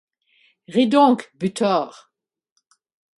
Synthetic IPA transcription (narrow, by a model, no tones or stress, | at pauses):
ʁid̪ɔ̃kbyt̪ʰɔːʁ